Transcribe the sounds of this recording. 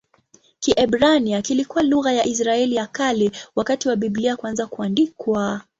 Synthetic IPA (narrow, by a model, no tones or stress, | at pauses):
kiʔɛbɾaniakilikuwaluɣajaʔis̬ɾaɛlijakalɛwakatiwaɓibliakuanzakuandikwa